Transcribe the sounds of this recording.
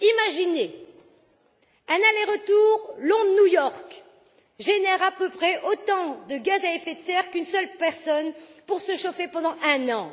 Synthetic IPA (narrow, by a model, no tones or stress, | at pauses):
imaʒine | ɛ̃naleʁət̪uʁlɔ̃d̪nujɔʁk | ʒenɛʁapøpχɛʔot̪ɑ̃d̪əɡazaefɛt̪sɛʁkynsœlpɛʁsɔnpuʁsəʃofepɑ̃d̪ɑ̃ʔɛ̃nɑ̃